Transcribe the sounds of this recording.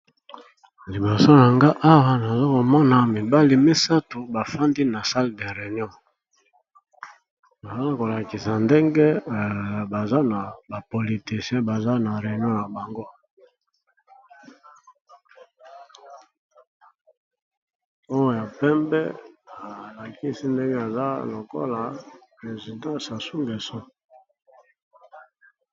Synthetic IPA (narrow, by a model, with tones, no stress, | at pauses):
li˨bo˨so˦na˨ŋɡa˦ʔa˦wa˦na˨zo˦ko˨mɔ˦na˨mi˨ba˦li˨me˦sa˦tu˨ba˨fa˦ndi˦na˨sa˦lde˨ʁe˨n˦ɔ̃˦ | na˨za˦la˦ko˨la˨ki˨sa˨nde˦ŋɡe˦ | ba˨za˦na˨ba˨po˨li˨ti˨sɛ̃˦ba˨za˦na˨ʁe˨n˦ɔ̃˦na˨ba˨ŋɡo˦ | o˦jo˦ja˨pɛ˦mbɛ̰˦a˨la˨ki˦si˦nde˦ŋɡe˦a˨za˦lo˨ko̰˦la˨ʁe˨zi˨dã˦sa˨su˦ŋɡe˨so˦